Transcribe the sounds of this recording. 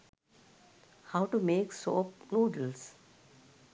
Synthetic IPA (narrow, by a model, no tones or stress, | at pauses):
haʊʈumeːksoːpnuːɖəls